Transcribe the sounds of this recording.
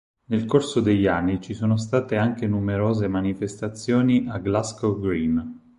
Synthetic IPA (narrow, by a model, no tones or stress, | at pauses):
nelkorsod̪eʎːanːit͡ʃisoːnos̬t̪aːt̪eaŋkenumeɾoːzemanifest̪at̪sːjoːniʔaɡlaskoɡɾim